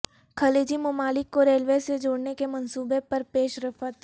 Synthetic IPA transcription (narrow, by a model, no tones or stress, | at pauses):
kʰɐleːd͡ʒimʊmaːlɪkːoɾeːlʋesed͡ʒoːɽnekemɐnsuːbepɐɾpeːʃɾɐfʰət̪